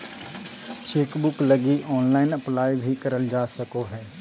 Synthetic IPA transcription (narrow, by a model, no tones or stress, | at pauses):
t͡ʃeːkbʊklɐɡiʔɔːnlaːɪnɐplaːjbʱikɐɾəld͡ʒaːsɐkoɦɛː